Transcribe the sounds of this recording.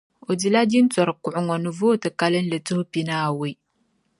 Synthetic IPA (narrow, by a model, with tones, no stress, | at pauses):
o˨di˨la˦di˦n˦t͡sɔ˨ɾɨ˨kʊ˨ʔʊ˨ŋɔ˨nɨ˨vo˦tɨ˨ka˨˦lɨ˦n˦lɨ˨tɨ˦hʊ˦pi˦naː˦a˨wi˨j